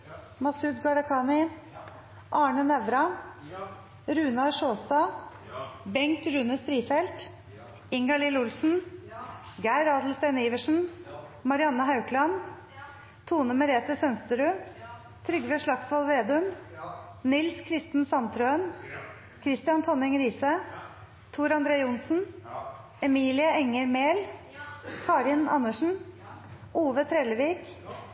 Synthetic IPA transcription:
mɑsʉːd̪̚ɡɑɾɑkʰɑːnɪ | ʔɑːɳənɛʋɾɑ | ɾʉːnɑʂoːst̪ɑː | bɛŋt̪ɾʉːnəst̪ɾiːfɛlt̪ | ɪŋɡɑlɪːlʊlsn̩ | ɡæɪɾɑːd̪lst̪eːniːʋəʂn̩mɑɾɪɑnːəɦɑʉkʰlɑn | t̪ʰuːnəməɾeːt̪əsœnst̪əɾʉː | t̪ʰɾʏɡʋeʂlɑksʋɑlˠʋeːd̪ʉm | nɪlskʰɾɪst̪n̩sɑnt̪ʰɾøːən | kʰɾɪst̪ɪɑnt̪ʰɔnɪŋɾiːsə | t̪ʰuːɾɑnd̪ɾeːʊnsn̩ | ɛmiːlɪəɛŋəɾmeːl | kʰɑːɾɪnɑ̰nːəʂn̩ | uːʋət̪ʰɾeːləʋiːk

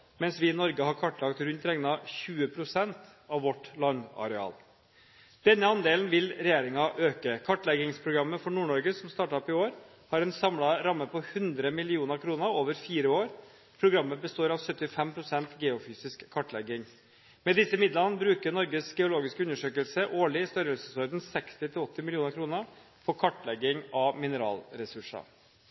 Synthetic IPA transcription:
mɛnsʋɪnɔɾɡəɦɑɾkʰɑʈlɑkt̪ɾʉnt̪ɾɛŋnɑçʉːəpʰɾʊsɛnt̪ | ɑʋʋɔʈlɑnːɑ̰ɾɛɑ̰ːl | d̪̥ɛnːəɑnd̪eːlnʋɪlɾɛjeːɾɪŋɑʔøːkəkʰɑʈlɛɡɪŋspʰɾʊɡɾɑmːəfɔɳuːɳɔɾɡəsɔmst̪ɑːʈɑɔpɪoːɾ | hɑɾɛnsɑmlɑɾɑmːəpʰɔhʉnd̪ɾəmɪlɪuːnəɾkʰɾuːnəɾoːʋəɾfiːɾəoːɾ | pʰɾʊɡɾɑmːəbəst̪oːɾɑʋsœt̪ːɪfɛmpʰɾʊsɛnt̪ɡɛːʊfyːsɪskʰːɑʈlɛɡɪŋ | mɛd̪ɪsːəmɪd̪lɑnəbɾʉːkəɾnɔɾɡəsɡɛʊloːɡɪskəʉnːəʂøːkəlsəʔoːɭɪst̪œɾəlsəsɔɾd̪nsɛkst̪ɪt̪ʰɪlɔt̪ːɪmɪlɪuːnəɾkʰɾuːnə | pʰɔkʰɑʈːlɛɡɪŋɑmɪnəɾɑ̰ːlɾɛsʉʂɑ̰

